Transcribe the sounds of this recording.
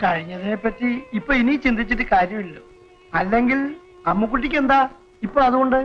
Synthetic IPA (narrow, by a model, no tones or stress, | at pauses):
kɐɻiɲːɐðine̞pːɐtːiːpːoːɭinit͡ɕind̪it͡ɕːitːɨkaːɾjɐmilːo | ɐlːe̞ŋɡil | ɐmːuk̬ːuʈ̬ːik̬ʲːend̪a | ipːoːɭɐðuɣo̞ɳɖɨ